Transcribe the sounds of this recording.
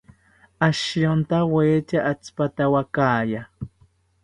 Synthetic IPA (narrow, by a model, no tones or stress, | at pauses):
aʃjont̪aweːt͡ʃaʔat͡spat̪awakaːja